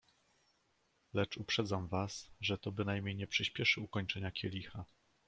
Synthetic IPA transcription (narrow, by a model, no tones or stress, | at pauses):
lɛt͡ʂupʂɛd̪zamvasʐɛt̪ɔbɘnajmʲɲejɲɛpʂɘɕpʲjɛʂɘukɔɲt͡ʂɛɲakʲʰɛlʲixa